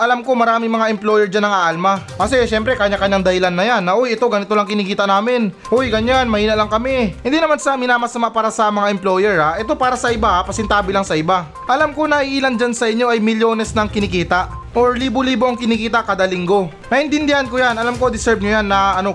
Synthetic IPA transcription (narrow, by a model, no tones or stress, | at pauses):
ʔɐlamko̞mɐɾaːmɪŋmɐŋaʔɛmplojɛɹd͡ʒanːɐŋaʔalmakɐsɛʃɛmpɾɛkɐɲakɐɲːaŋd̪ɐhɪlanːɐjanːɐʔo̞jʔɛt̪o̞ɡɐnɪt̪o̞lɐŋkɪnikiːt̪ɐʔnaːmɪnʔojɡɐɲːanmɐhiːnɐʔlɐŋkɐmɛhɪ̃nd̪inɐmansɐmɪnaːmɐsɐmaʔpaːɾɐsɐmɐŋaɛmplo̞jɛɹaʔɛt̪o̞paːɾɐsɐʔɪbaʔapɐsɛnt̪aːbɪlaŋsɐʔɪba | ʔɐlamko̞nɐʔiʔiːlɐnd͡ʒansɐʔɪɲːo̞ʔɐjmɪljo̞ːnɛsnɐŋkɪnɪkiːt̪ɐʔ | ʔoɹliːboliːbo̞ʔɐŋkɪnikiːt̪ɐkaːd̪ɐlɪŋɡo̞ | nɐhɪnt̪ɪnd̪ɪanko̞janɐlamko̞d̪ɪsɛɹb̚ɲojanːɐʔɐno̞